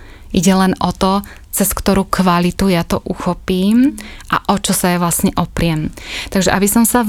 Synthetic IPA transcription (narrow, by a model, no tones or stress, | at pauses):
ʔiɟɛlɛnʔɔt̪ɔ | t͡sɛskt̪ɔɾukʋalit̪ujat̪ɔʔuxɔpiːmʔa̰ʔɔt͡ʃɔsajɛʋlasɲɛʔɔpɾɪɛmt̪aɡʒɛʔabisɔmsa